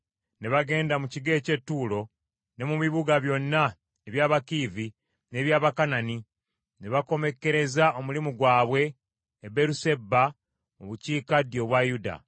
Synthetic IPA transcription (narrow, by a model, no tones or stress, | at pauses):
ne̞βaɡe̞ːndamuciɡe̞ːce̞tːuːlo̞ | ne̞muβiβuɡaβjo̞nːa | eβjaːβakivi | ne̞ːβjaːβakanani | ne̞βako̞me̞kːe̞ɾe̞zaomulimuɡwaːβwe̞ː | beɾuse̞bːa | oβuciːkadjo̞βwajuda̰